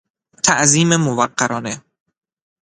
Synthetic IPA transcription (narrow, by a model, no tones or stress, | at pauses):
t̪ʰæʔziːmemovæqːæɾɒːne